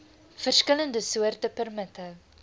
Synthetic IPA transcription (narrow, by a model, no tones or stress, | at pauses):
fərskələndəsuərtəpərmətə